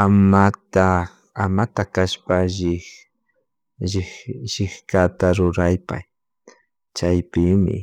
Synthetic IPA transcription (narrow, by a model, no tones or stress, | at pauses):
amat̪a | amat̪akaʃpaʒɪ | ʒɪʒɪhkat̪aɾʊɾajpa̰j | t͡ʃajpɪmɪ̰